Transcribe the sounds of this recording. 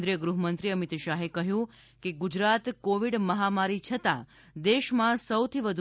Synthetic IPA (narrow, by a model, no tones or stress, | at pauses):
d̪ɾijəɡɾuɦəmənt̪ɾiəmit̪ʃaɦekəɦjũ | keɡud͡ʒɾat̪koʋiɽməɦamaɾit͡ʃʰət̪a̰ | d̪eʃmãsəwt̪ʰiʋəd̪ʱ